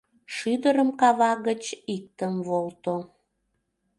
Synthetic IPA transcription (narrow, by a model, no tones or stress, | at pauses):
ʃyd̪əɾəmkɑβɑɣət͡ɕik̚t̪əmvolt̪o